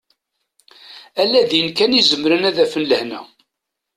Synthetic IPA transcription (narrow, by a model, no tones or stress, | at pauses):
ælːæðjənkænizəmɾənæðæfənləhnæ